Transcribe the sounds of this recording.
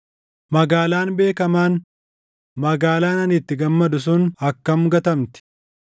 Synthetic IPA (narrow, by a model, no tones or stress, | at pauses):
mɐɡaːlaːnbe̞ːkɐmaːn | mɐɡaːlaːnɐnɪt̪ːɪɡɐmːɐd̪ʊs̬ʊnɐkːɐmɡɐt̪ɐmt̪ɪ̥